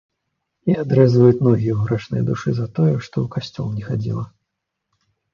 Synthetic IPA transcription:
iad̪ɾɛzvɐjut͡sʲnɔɣʲiɛɦɾat͡ʂnɐ̰jd̪uʂɨzɐt̪ɔjɛʂt̪ɔwkasʲt͡sʲɔ̰lˠnʲɛxad͡zʲḭlˠɐ

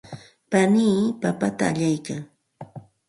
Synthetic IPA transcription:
paniːmpapat̪aːʎajkaŋ

